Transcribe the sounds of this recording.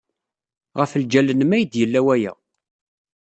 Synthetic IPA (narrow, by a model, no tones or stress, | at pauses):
ʁəfəld͡ʒælənmæjəd̪jəlːæwæjæ̰